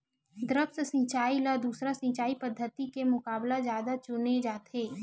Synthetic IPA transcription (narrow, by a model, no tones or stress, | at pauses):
d̪ɾəkssĩːt͡ʃaːilad̪uːsɾasĩːt͡ʃaːipəd̪ʱːət̪ikemʊkaːblazjaːd̪at͡ʃʊned͡ʒaːt̪ʰeː